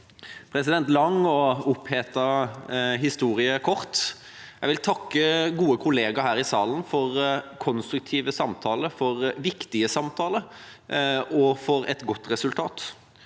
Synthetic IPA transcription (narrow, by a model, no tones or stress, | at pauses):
pʰɾɛsɪd̪ɛnt̪lɑŋːɔʊpheːt̪ɑ | ɦɪst̪uːɾɪəkʰɔʁt̪ | jæʋɪlt̪ʰɑkːəɡuːəkʰʊleːɡɑɦæːɾɪsɑːlənfɔʁkʰɔnst̪ɾʉk̚t̪ʰiːʋəsɑmt̪ʰɑːləfɔɾʋɪkt̪ɪəsɑmt̪ʰɑːlə | ɔfɔɾɛ̰t̪ɡɔt̪ːɾɛsʉlt̪ʰɑːt̪